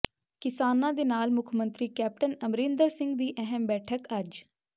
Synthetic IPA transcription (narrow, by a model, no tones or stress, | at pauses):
kɪsaːnãːd̪eːnaːlmʊkʰmənt̪ɾiːkɛːp̚ʈənəmɾɪ̃ːnd̪əɾsɪ̃ŋɡd̪iːʔɛɦəmbɛːʈʰəkəd͡ʒ